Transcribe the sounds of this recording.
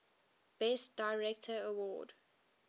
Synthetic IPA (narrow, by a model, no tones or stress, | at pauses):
b̥ɛstd̥aɪɹɛktʰəəwɔ̰ːd